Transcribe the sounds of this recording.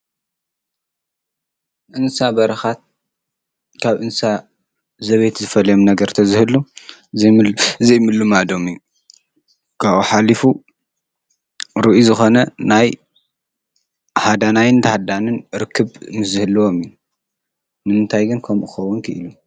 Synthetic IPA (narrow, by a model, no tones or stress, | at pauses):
ʔɨnsabɐɾɐxat̪̚ | kʰaβʔɨnsa | zɐβet̪zɨfɐlɐjomnɐɡɐɾt̪ʰɐzɨhɨlːu | ɨzejmɨlːumad̪o̞mju | kʰaʔuħalifu | ɾɨʔuzɨxo̞nɐnaj | ħad̪anajɨnt̪ʰahad̪anɨnɾɨkʰːɨβmɨzɨhɨlːɨwo̞miju | nɨmɨnt̪ʰajɡɨnkʰɐmʔuxɐwːunkʰɨʔɨlu